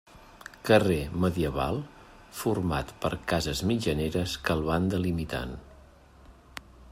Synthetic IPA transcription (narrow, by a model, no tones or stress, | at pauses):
kəreməðiəβa̰lˠ | furma̰t̪pə̰ɾkazəzmid͡ʒəneɾəskəlˠβand̪əlimit̪a̰n